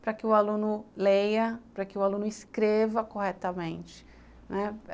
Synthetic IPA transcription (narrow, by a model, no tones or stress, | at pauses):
pɾɐkɪʊalũnʊlejɐpɾɐkɪʊalũnʊɪskɾevɐkohɛt̪ɐmẽt͡ʃɪ̥ | nɛ